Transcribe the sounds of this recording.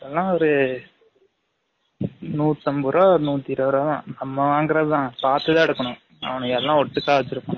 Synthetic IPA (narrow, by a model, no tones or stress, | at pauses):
ɛlːãːɔɾɯ | nuːt̪ːɐmbɯɾoːnuːt̪ːiɪɾɐʋɾoːðãːnɐmːɐʋaːŋɡɪɾɐðɯt̪ãːpaːɾt̪ːɯðãːɛɽɯkːɐɳʊ̃ | ɐ̰ʋɐɳɯkɛlːãːɔɽt̪ːɯkːaːʋɐt͡ʃːɪɾɯkːɐ̃ː